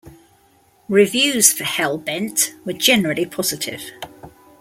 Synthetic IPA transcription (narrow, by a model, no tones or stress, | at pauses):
ɹɪvjʉːz̥fəhɛlˠbɛ̃ntwəd͡ʒɛnɹəlipʰɒz̥ɪtʰɪ̰v̥